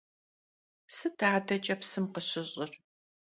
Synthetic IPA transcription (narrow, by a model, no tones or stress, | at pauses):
sɨtʰaːdɐt͡ʃʼɐpsɨmqəɕɪʑʼɪr